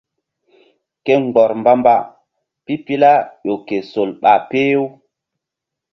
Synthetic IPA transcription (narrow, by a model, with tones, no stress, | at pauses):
ke˦ŋ͡mɡ͡bɔ˨ɾmba˦mba˦˨ | pi˦pi˦la˦ɗo˨ke˨so˨lɓa˨pe˦jo˦